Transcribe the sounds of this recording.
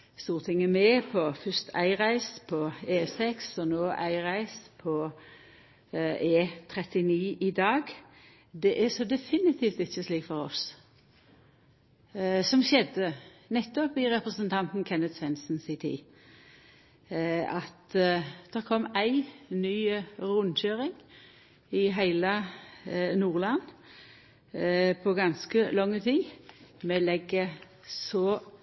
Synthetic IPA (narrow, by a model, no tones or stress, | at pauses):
st̪uːʁt̪ʰɪŋəmɛːpʰɔfœst̪ʰæ̰ɪʁæɪspʰɔeːsɛksɔnoːʔæɪʁæɪspʰɔ | eːt̪ʰɾɛt̪ɪniːʔid̪ɑːɡ | d̪ɛʔæsɔd̪ɛfɪnɪt̪ʰiːft̪ɪçːəsliːkfɔɾɔs | sɔmʃɛd̪ənɛt̪ːɔpɪʁɛpʁəsənt̪ʰɑnt̪nkʰɛnːəd̪sʋɛnsn̩sɪt̪ʰḭː | ɑt̪d̪̥ɛʁkʰɔmːæɪnyːʁʊnçøːɾɪŋ | ɪɦæɪlə | nuːʁlɑn | pʰɔɡɑnskəlɔŋːət̪ʰiːmɛlɛɡə | sɔ